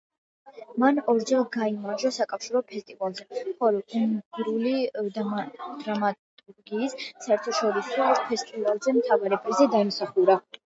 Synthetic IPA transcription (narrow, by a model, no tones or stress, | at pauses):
manɔɾd͡ʒɛlˠɡaimaɾd͡ʒasakʼafʃiɾɔpʰɛst̪ʼivalˠzɛχɔlˠɔumɡɾulid̪d̪ɾamat̪ʼuɾɡiːssaɛɾt̪ʰɔʃɔɾiswɔɛspʰɛst̪ʼivalˠzɛmt̪ʰavaɾɛpʰɛzɛd̪aimsaχuɾa